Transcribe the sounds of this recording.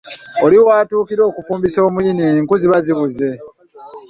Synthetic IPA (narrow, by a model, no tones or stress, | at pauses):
o̞liwaːtuːkiɾo̞ːkufuːmbiso̞ːmwiniŋkuziβaziβuze̞